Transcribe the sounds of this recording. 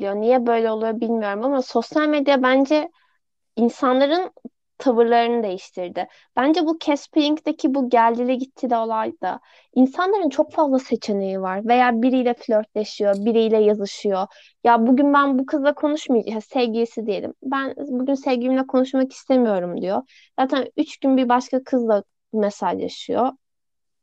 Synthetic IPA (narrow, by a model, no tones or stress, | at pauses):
lijonijɛbø̞jlʲɛo̞lˠujobilʲmijo̞ɾumamaso̞sjalʲme̞d̪jabænd͡ʒɛ | insanlˠaɾɯn | t̪ʰavɯɾlˠaɾɯnɯd̪e̞jiʃt̪ʰiɾd̪ɪ | b̥ænd͡ʒɛbucʰɛsplʲiŋkd̪ecʰibuɟælʲd̪ilʲɛɟit̪ʰːilʲɛo̞lˠajd̪̥a̰ | insanlˠaɾɯnt͡ʃʰo̞kfazlˠase̞t͡ʃʰenejivaɾve̞jaːbiɾijlʲɛflʲøɾt̪lʲeʃijo̞biɾijlʲɛjazɯʃɯjo̞ | jabuɟynbænbukʰɯzlˠakʰo̞nuʃmajd͡ʒsevɟijisid̪ije̞lʲḭmbænbuɟynsevɟiimlʲɛkʰo̞nuʃmaki̥st̪ʰe̞mijo̞ɾumd̪ijo | z̥aːt̪ʰænyt͡ʃɟynbiɾbaʃkakʰɯzd̪ˠa | mesalja̰ʃɯjo